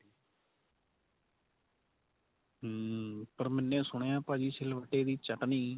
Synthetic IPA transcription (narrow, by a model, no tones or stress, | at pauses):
ɦəpəɾmɛnːẽːsʊɳeːãːpaːd͡ʒiːsɪlʋəʈːeːd̪iːt͡ʃəʈniː